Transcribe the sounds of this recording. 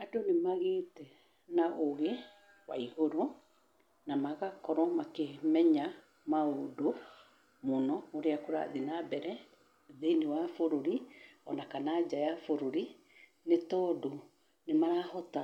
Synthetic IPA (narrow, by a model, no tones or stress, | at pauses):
adonemaɣeːtɛ | naʔoɣe | wa̰ihoɾo | namaɣakɔɾɔmakemɛɲa | maodo | monɔoɾeakoɾa̰ðinabɛɾɛ | ðeniwafoɾoɾiɔ̰nakanad͡ʒajafoɾoɾi | netɔːdo | nemaɾahɔta